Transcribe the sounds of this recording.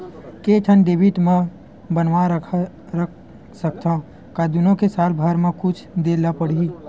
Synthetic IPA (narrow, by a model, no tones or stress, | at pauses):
keʈʰənɖeːbiʈmẽ | bənʋaɾ | ɾ | sək̚t̪ʰa | kad̪ʊnõkesaːlbʱəɾmẽkʊt͡ʃʰd̪eːlapəɽ̤ii